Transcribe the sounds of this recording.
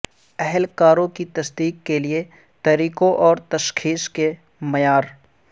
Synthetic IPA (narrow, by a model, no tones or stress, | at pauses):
ɛɦɛlkaːɾõkit̪ɐsd̪iːkːelie | t̪ɐɾiːkõʔɔːɾt̪ɐʃxʰiːske | mɐjaːɾ